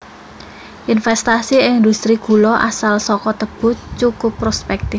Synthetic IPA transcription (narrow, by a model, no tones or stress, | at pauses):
ʔinfɛst̪asiɪnd̪ust̪ɾiɡ̥ṳlɔʔa̰salsɔkɔt̪əb̥ʊ̤t͡ʃukʊpːɾospɛk̚t̪ɪf